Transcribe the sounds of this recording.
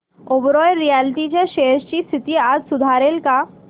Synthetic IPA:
obɾɔjɾijalt̪it͡ɕaʃeʃt͡ɕiːst̪ʰit̪iːad͡ʒsud̪ʱaɾelka

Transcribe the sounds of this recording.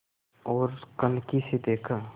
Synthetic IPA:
ɔːɾkənkised̪eːkʰa

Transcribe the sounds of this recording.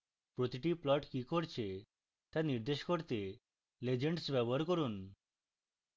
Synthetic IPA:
pɾot̪iʈiplɔʈkikoɾt͡ɕʰe | t̪aniɾd̪eʃkoɾt̪e | led͡ʑeɳɖsbɛbɔɾkɔɾun

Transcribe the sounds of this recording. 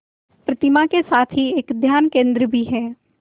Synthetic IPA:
pɾɐt̪ɪmakesaːt̪ʰɦieːkd̪ʱjaːnkẽːnd̪ɾəbʱiɦɛː

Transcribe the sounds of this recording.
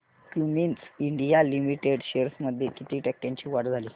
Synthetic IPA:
kjuminsiɳɖijalimiʈeɽɕeɾsməd̪ʱjekit̪iːʈɛk̚ʈjãɲt͡ɕiːʋaɽd͡zʱaliː

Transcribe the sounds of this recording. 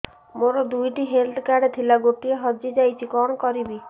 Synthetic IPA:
moɾɔd̪ujʈiɦelt̪kaɖt̪ʰilaɡoʈieɦɔd͡ʒid͡ʒajt͡ʃʰikɔnɔkɔɾibi

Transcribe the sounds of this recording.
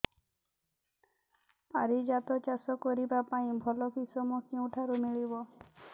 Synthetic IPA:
paɾid͡ʒat̪ɔt͡ʃasɔkɔɾibapaĩbʱɔlɔkisɔmɔkiũʈʰaɾumiɭibɔ

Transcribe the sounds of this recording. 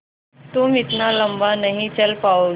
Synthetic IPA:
t̪umɪt̪naləmbanəɦĩt͡ɕəlpao

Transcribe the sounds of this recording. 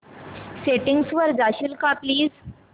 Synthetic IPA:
seʈiŋɡsʋəɾd͡zaɕilkapliːz

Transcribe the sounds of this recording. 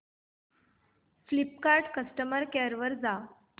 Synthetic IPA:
flip̚kaɾɖkəsʈəməɾkeɾʋəɾd͡za

